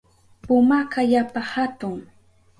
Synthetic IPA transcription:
pʊmakajapahat̪ʊŋ

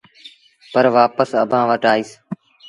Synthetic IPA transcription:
pəɾʋaːpəsə̰bʱãːʋəʈaːiːs

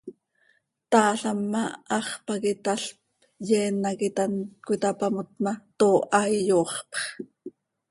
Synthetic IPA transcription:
t̪ɑːɬɑmːɑɑχpɑkit̪aɬp | jɛːnːɑkit̪ankʷit̪ɑpamot̪̚mɑt̪oːʔɑjjoːχpχ

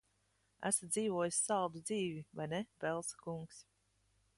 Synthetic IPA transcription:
æ̰sad̪ziːvuɔjisʲːalˠd̪ud̪ziːvivajnɛbɛlˠsḁkuŋks

